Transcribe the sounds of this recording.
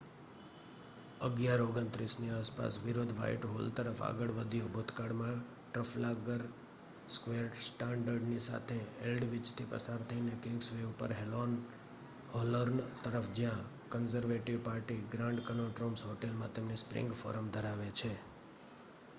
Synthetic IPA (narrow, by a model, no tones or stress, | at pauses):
əɡjaɾoɡənt̪ɾisniaspa̰sʋiɾod̪ʱʋa̰ḭʈɦolt̪əɾəfa̰ɡəɭʋəd̪ʱjõbʱot̪kaɽmã | ʈɾəflaɡəɾ | skʋeɾsʈaɳɖəɾɖnisa̰t̪ʰeelɖʋɪt͡ʃt̪ʰipə̰saɾt̪ʰəinekɪ̃ŋɡsʋeupəɾɦelon | holoɾnt̪əɾəfd͡ʒjã | kənzəɾʋeʈiʋpaɾʈiɡɾãɳɖkənoʈɾomsɦoʈelmãt̪emnespɾɪ̰̃ŋɡfo̰ɾəmd̪ʱəɾaʋet͡ʃʰe